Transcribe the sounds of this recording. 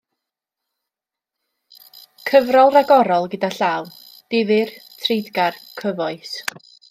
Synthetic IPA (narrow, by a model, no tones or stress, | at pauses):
kʰəvrɔlˠraɡɔɾɔlˠɡədaɬaw | d̥ɪvɨrtʰrejdɡarkʰəvɔɨs